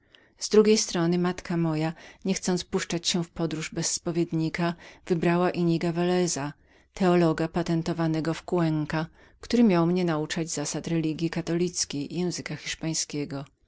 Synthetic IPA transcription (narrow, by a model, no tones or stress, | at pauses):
z̥d̪ɾuɡʲejst̪ɾɔnɘmat̪kamɔjaɲɛxt̪sɔnt̪spuʂt͡ʂat͡ɕɕɛ̃fpɔd̪ɾuʐbɛsːpɔvʲjed̪ɲikav̥ɘbɾawaʔiɲiɡavalɛza | t̪ɛɔlɔɡapat̪ɛnt̪ɔvanɛɡɔfkwɛŋka | kt̪uɾɘmʲjawmɲɛnaut͡ʂad͡ʑzasat̪ɾɛlʲiɡʲjikat̪ɔlʲit̪skʲejjɛ̃w̃zɘkaxʲiʂpaj̃skʲɛɡɔ